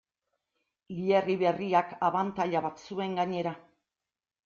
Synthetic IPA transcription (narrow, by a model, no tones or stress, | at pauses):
lieriβe̞riakaβant̪aʎaβat̪sue̞ŋɡaɲe̞ɾa